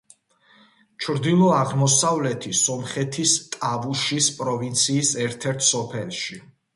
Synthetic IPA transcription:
t͡ʃʰɾd̪ilˠɔaʁmɔsavlɛt̪ʰisɔmχɛt̪ʰist̪ʼavuʃispʼɾɔvint̪sʰiːsɛɾt̪ʰɛɾt̪ʰsɔpʰɛlʃi

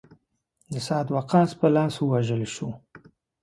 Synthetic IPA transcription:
d̪əsɑt̪waqɑspəlɑswəwaʒəleʃu

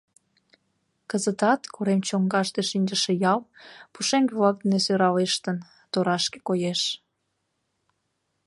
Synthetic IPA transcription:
kəzət̪ɑt̪kʰoɾemt͡ɕoŋɡɑʃt̪eʃinʲd͡ʒəʃejɑlpuʃeŋvlɑk̚d̪inesøɾɑleʃt̪ən | t̪oɾɑʃke̥kojeʃ

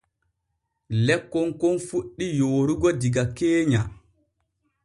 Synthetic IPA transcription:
lɛkːɔŋkɔnfuɗːijoːɾuɡɔdiɡakeːɲa

